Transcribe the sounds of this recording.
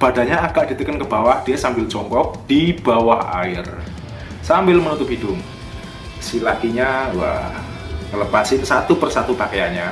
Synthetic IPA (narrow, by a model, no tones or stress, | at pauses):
b̥adaɲaaɡ̥aʔd̥i̤t̪əkənkəbawahd̥iasambɪld͡ʒɔŋkɔk̚d̥ib̥awaha̰ɪr | sambɪlmənut̪ʊp̚ɦidʊŋ | silat̪iɲawa̰h | ŋələpasɪnsat̪upərsat̪upakajaɲa